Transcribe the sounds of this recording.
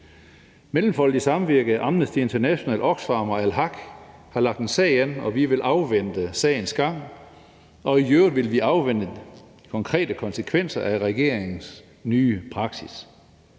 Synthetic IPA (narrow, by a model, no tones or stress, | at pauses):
melm̩fɒ̽l̰d̥isɑ̈mʋiɐɡ̥əð̩ˠʔɑ̈mnəsd̥ie̝nt͡sʰɐnæɕo̝nɛ̰ːlʔɒ̽ɡ̥sfɑ̈ːmɐælɦɑ̈ɡ̥ | hɑ̈lɑ̈ɡ̥̚d̥ensɛ̰ɪenɒ̽ʋiʋe̝lʔɑ̈ʊʋen̰d̥əsɛ̰ːɪn̩sɡ̥ɑ̈ŋ̰ | ɒ̽ijøːðʋe̝lʋiɑ̈ʊʋen̰d̥ə | kʰɒ̽ŋkʰʁɛ̰ːd̥əkʰɒ̽nsəkʰʋen̰sɐʔæʁɛɡ̥e̝ɐ̰eŋn̩s | nyːpʰʁɑ̈ɡ̥sis